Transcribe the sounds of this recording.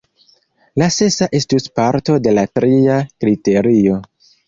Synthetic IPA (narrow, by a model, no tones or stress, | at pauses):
lase̞saʔe̞stuspaɾto̞de̞latɾiakɾite̞ɾio̞